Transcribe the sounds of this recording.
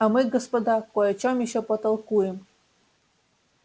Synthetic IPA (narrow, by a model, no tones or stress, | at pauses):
ɐmɨɡəspɐd̪akojɐt͡ɕomjɪɕːɔpət̪ɐlˠkujɪm